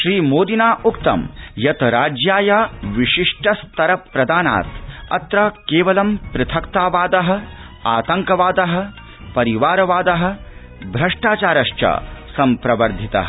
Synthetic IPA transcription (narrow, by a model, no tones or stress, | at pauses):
ʃɾiːmoːd̪inaːʔukt̪ɐ̰mjɐt̪ɾaːd͡ʒjaːjaʋiʃiʂʈɐst̪ɐɾɐpɾɐd̪aːna̰ːt̪ɐ̰t̪ɾɐkeːʋɐlɐmpɾɪt̪ʰɐkt̪aːʋaːd̪ɐɦɐ̆ | aːt̪ɐŋkɐʋaːd̪ɐɦɐ̆ | pɐɾiʋaːɾɐʋaːd̪ɐɦɐ̆ | bʱɾɐʂʈaːt͡ʃaːɾɐʃt͡ʃɐ̰sɐmpɾɐʋɐɾd̪ʱit̪ɐ̰ɦɐ